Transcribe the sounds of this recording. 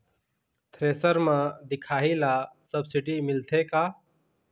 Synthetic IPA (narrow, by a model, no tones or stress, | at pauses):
t̪ʰɾeːsəɾmãd̪ɪkʰaːilasəbsɪɖimɪlt̪ʰekaː